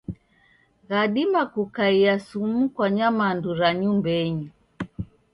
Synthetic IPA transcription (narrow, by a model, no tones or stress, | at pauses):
ɣaɗimakukaiasumukwaɲamanduɾaɲumbɛɲu